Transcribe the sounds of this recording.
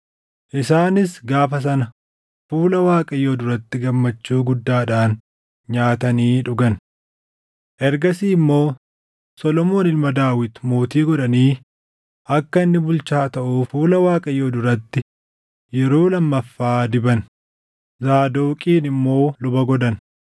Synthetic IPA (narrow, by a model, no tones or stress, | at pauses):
ʔɪsaːnɪsɡaːfɐs̬ɐnɐ | fuːlɐwaːkʼɐjoːd̪ʊɾɐt̪ːɪɡɐmːɐt͡ʃːuːɡʊd̪ːaːᶑaːn | ɲaːt̪ɐniːᶑʊɡɐn | ʔɛɾɡɐsiːmːo̞ː | sɔlɔmo̞ːnɪlmɐd̪aːwɪt̪mo̞ːt̪iːɡɔᶑɐniː | ʔɐkːɐɪnːɪbʊlt͡ʃaːt̪ɐʔuːfuːlɐwaːkʼɐjoːd̪ʊɾɐt̪ːɪ | jɛɾoːlɐmːɐfːaːd̪ɪbɐn | zaːd̪oːkʼiːnɪmːo̞ːlʊbɐɡɔd̪ɐn